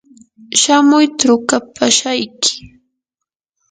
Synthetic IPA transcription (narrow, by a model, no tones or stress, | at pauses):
ʃamʊjt̪aɾʊkapʰaʃajkʰɪ̥